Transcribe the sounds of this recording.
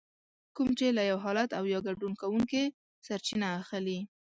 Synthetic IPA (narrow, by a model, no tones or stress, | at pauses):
kumt͡ʃelajawɦɑlat̪awjɑɡaɖunkawuŋke | saɾt͡ʃinaːxli